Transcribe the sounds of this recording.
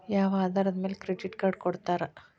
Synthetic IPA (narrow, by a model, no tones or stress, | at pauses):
jaːʋaːd̪aːɾɐd̪ɐmeːlekɾeɖiʈkaːɾɖ̚koɽut̪ːaːɾɐ